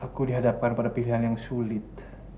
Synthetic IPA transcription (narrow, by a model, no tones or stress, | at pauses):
ʔakudiɦadap̚kanpadapiliɦanjaŋsulɪt̪̚